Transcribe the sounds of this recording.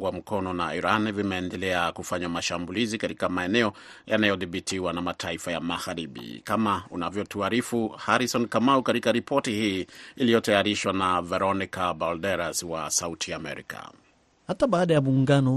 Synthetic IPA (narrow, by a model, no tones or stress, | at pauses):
wam̩kɔnɔnaiɾanvimɛːndɛlɛakufaɲamaʃambulizikaɾikamaɛnɛɔ | janajɔðiɓitʰiwanamatʰaifajamaɣaɾiɓḭkamaunavjɔtuaɾifuhaɾisɔnkamaukatikaɾipʰɔtihiːilijɔtɛaɾiʃwanavɛɾɔnikabɔldɛɾaswa̰sautʰijaːmɛ̰ɾḭka̰ | hataɓaːɗajamuŋɡanɔ